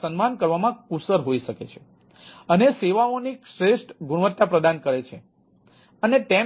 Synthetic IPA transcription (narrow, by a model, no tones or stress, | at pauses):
sənmankəɾʋamãkusəɾɦoiʃəkḛt͡ʃʰe̥ | əneseʋaonikʃɾeʃʈɡuɽ̃ʋət̪ːapɾəd̪ankəɾet͡ʃʰe | ənet̪e